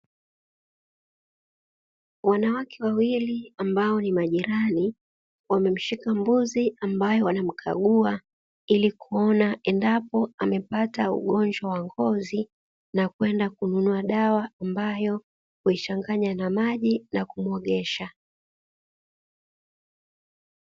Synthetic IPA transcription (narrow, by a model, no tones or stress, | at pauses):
wanawakʰɛwawiliambaɔnimaʄiɾani | wamɛm̩ʃikambuziambajɔwanam̩kʰa̰ɠua | ilikuɔnaʔɛndapɔamɛpataṵɠɔɲd͡ʒwawaŋɡɔzi | nakwɛndakununuaɗawaːmbajɔ | huit͡ʃaŋɡaɲanamaʄinakumuɔɠɛʃa